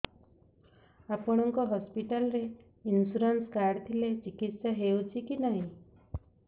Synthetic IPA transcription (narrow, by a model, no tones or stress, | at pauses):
apɔɽ̃ɔŋkɔɦɔspiʈalɔɾe | insuɾanskaɖt̪ʰilet͡ʃikit̪saɦewt͡ʃʰikinaɦĩ